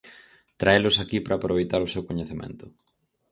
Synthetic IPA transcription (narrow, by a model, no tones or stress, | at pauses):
t̪ɾaelʊsakipɾʔaːpɾoβejt̪aɾʊsewkoɲeθemḛ̃nt̪ʊ